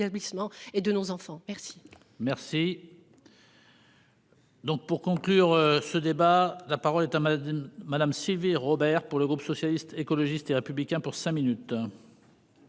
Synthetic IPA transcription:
ablismɑ̃ed̪ənozɑ̃fɑ̃mɛʁsi̥ | mɛʁsi | d̪ɔ̃k̚puʁkɔ̃klyʁsəd̪ebalapaʁɔlɛt̪amːad̪amsilviʁɔbɛʁpuʁləɡʁupsɔsjalist̪ekɔlɔʒist̪eʁepyblikʲɛ̃puʁsɛ̃minyt̪

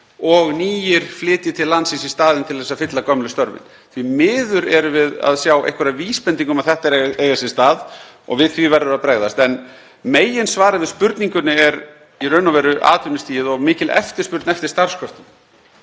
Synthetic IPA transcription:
ɔɣniːjɪɾ̥flɪːt̪jɪt̪ʰɪllansisɪ̥st̪aːðɪnt̪ʰɪlθɛsːafɪt̪lakœmlʏst̪œɾvɪ̰n | θvimɪːðʏɾɛɾʏvɪða̰ðsjawḛjhkvɛɾaviːspɛnt̪iŋkʏmaðθɛht̪aɛɾeːjɣasɪ̥st̪aːð | ɔ̰ɣvɪðθvivɛɾʏɾaðpɾeːɣðast̪ɛn | meːjɪnsvaːɾavɪðspʏɾt̪niŋkʏnɪɛɾ | irœːnavɛːɾʏʔa̰ːt̪vʏnɪst̪iːjɪðɔɣmɪːcɪlɛ̰ft̪ɪ̥spʏɾt̪nɛft̪ɪɾ̥st̪aɾ̥skʰɔɾ̥t̪ʏn

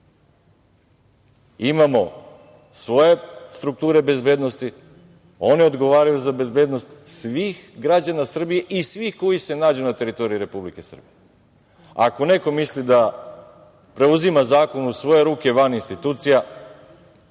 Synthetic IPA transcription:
imamo̞ | sʋo̞je̞st̪ɾuk̚t̪uːɾe̞be̞zbe̞ːd̪no̞st̪i | o̞nio̞d̪ɡo̞ʋaːɾajuzabe̞zbe̞ːd̪no̞st̪sʋixɡɾad͡ʑanasr̩bije̞ʔisʋixko̞jise̞naːd͡ʑunat̪e̞ɾit̪o̞ɾiiɾe̞publike̞sr̩bije | a̰ko̞ne̞ko̞mislid̪a | pɾe̞uzimazaːko̞nusʋo̞je̞ɾuːke̞ʋaninst̪it̪uːt̪sija

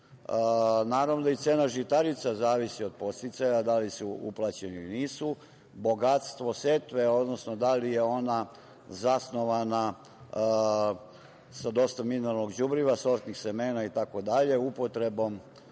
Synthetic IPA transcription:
naːɾaʋnod̪ait̪seːnaʒit̪aɾit̪sazaːʋisio̞d̪̚po̞st̪it̪sajad̪alisuṵplˠat͡ɕeniiniːsu | bo̞ɡat̪st̪ʋo̞set̪ʋeo̞d̪nosno̞d̪alije̞o̞na | zasno̞ʋana | sad̪o̞st̪amineɾalnoɡd͡ʑubɾiʋaso̞ɾt̪nixsemeːnait̪ako̞d̪aʎe̞upo̞t̪ɾe̞bo̞m

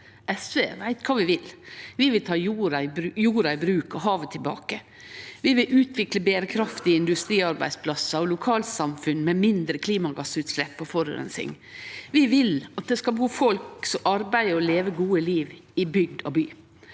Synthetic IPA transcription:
ʔɛsʋeːʋæɪt̪kʰɑːʋɪʋɪlʋɪʋɪlt̪ʰɑːjuːɾɑɪbɾjuːɾɑɪbɾʉːkɔɦɑːʋət̪ʰɪlbɑ̰ːkə | ʋɪʋɪlʉːt̪ʰʋɪkləbeːɾəkʰɾɑft̪ɪɪnd̪ʉst̪ɾiːɑɾbæɪspʰlɑsɑɔlʊkʰɑːlsɑmfʉnmɛmɪnd̪ɾəkʰliːmɑɡɑsːʉːt̪slɛpːɔfɔɾɔ̰ɾɛ̰nsɪ̰ŋ | ʋɪʋɪlɑt̪̚d̪ɛskɑlbəuːfɔlksɔmʔɑɾbæɪəɔleːʋəɡuːəliːʋɪbʏɡd̪ɔbyː

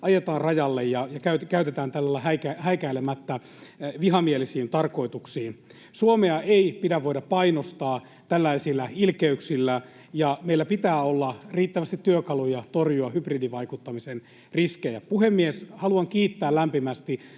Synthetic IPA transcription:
ʔɑjet̪ɑːnrɑjɑlːejjɑjɑkæyt̪kæyt̪et̪æːnt̪ælːɑlːæhækæhæikæilemæt̪ːæ | ʋiɦɑmielisiːnt̪ɑrko̞it̪uksiːn | suomeɑeipidæʋʋoidɑppɑinost̪ɑː | t̪ælːæisilːæilkeyksilːæ | jɑmeilːæpit̪æːolːɑriːt̪ːæʋæst̪it̪ːyøkɑlujɑt̪orjuɑhypridiʋɑikut̪ːɑmisen | riskejæpuɦemːieshɑluɑŋkiːt̪ːæːllæmpimæst̪i

